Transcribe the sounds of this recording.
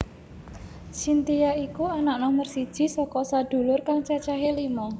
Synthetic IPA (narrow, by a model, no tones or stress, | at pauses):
sint̪ijaikuanaʔnɔmərsid̥ʒ̥i̤sɔkɔsad̪̥ṳlʊrkaŋt͡ʃat͡ʃaɦelimɔ